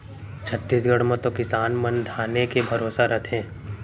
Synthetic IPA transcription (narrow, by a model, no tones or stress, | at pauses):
t͡ʃʰət̪ːiːsɡəɽmə̃t̪okɪsaːnmɐnd̪ʱaːnekebʱɐɾoːsaɾət̪ʰɛ̃ː